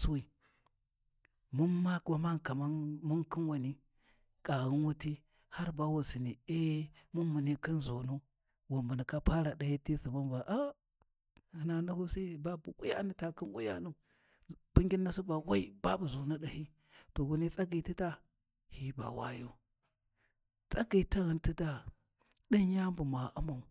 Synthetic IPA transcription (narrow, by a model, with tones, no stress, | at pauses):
su˦wi˨ | mu˦nma˦kba˨ma˦nka˨ma˦nmu˦nki˦nwa˨ni˦ | kʼa˨ɣu˦n˦wu˦ti˦ | ha˦ɾba˦wu˨si˨ni˨e˦mu˦mːu˨ni˦ki˦nzo˨nu˦ | wa˨mbu˨ni˨ka˦pa˦ɾa˨ɗa˨hi˦ti˦si˨ma˦nva˨ʔa˦˨ | hna˨na˦hu˦si˦˨ba˦bu˨ku˦ja̰˦ni˨ta˨ki˦ŋkʷṵ˦ja̰˦nu˨ | b̥i˦ŋɡʲi˦nːa˦su˦ba˨wa˦i˦ba˦bu˨zu˨nu˦ɗa˨hi˦ | to˨ɡu˨˦ni˦t͡sʼa˦ɡi˨ti˦ta˦ | hi˦ba̰˨wa̰˦jo˦ | t͡sʼa˦ɡi˨ta˦ɣə˨nti˦da˨ | ɗi˦nja˦mbu˨ma˨ʔa˦ma˨u˨